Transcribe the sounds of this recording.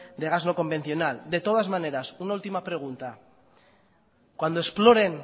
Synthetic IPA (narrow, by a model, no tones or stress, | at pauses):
d̪e̞ɣazno̞ko̞mbe̞n̟θjo̞nald̪e̞t̪o̞ð̞azmãne̞ɾasunault̪imapɾe̞ɣ̞unt̪a | kwand̪oesplo̞ɾe̞ŋ